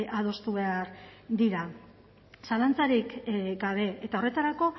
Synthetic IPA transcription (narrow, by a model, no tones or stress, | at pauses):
ʔað̞o̞st̪uβe̞aɾd̪iɾa | salant͡saɾikɡaβ̞e̞et̪ao̞re̞t̪aɾako̞